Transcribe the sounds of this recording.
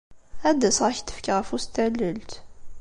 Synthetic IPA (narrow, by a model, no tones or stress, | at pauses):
æd̪ːæsʁəçt̪ːə̥fkʁəfust̪ælːəlt̪